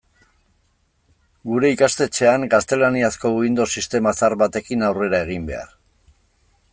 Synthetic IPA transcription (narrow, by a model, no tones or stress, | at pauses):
ɡuɾe̞ikast̪e̞t͡ʃe̞aŋɡast̪e̞laniasko̞uind̪o̞sist̪e̞masaɾβat̪e̞kinawre̞ɾae̞ɣ̞imbe̞̰a̰r